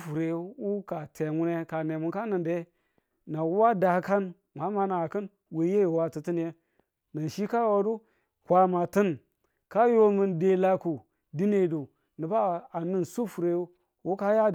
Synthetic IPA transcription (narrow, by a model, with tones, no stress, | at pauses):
fu˨ɾe˨wu˦ka˨te˨mu˦ne˦ka˨ne˨mu˨nka˦nɨ˨nde˦ | na˨wu˦wa˦da˨˦ka˦n | ma˨˦ma˨na˨kɨ˦n | we˨˦je˦˨wa˦tɨ˨ti˦n˦je˦ | na˨n˨ʃi˦ka˦wo˨du˦ | kʷa˨ma˨tɨ˦n | ka˦jo˦mu˨nde˨la˦ku˨ | di˦ne˨du˨ | nɨ˨ba˦a˨nɨ˦nsu˦fu˨ɾe˨˦ | wu˦ka˦ja˦